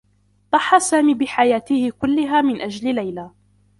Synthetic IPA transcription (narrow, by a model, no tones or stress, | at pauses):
t̪ˤɑħːɑsaːmiːbɪħajaːt̪ɪhɪkʊlːɪɦaːmɪnʔad͡ʒlɪlajla